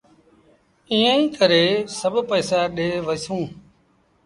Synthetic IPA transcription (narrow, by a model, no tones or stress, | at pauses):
ĩːĩːkəɾeːsəbʱpəːsaːɗeːʋəsũː